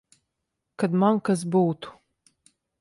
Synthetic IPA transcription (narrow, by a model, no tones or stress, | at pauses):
kad̪mankas̬buːt̪u̥